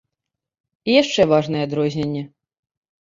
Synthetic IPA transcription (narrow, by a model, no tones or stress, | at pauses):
ijaʂt͡ʂɛvaʐnɨjɛd̪ɾɔzʲnʲenʲːɛ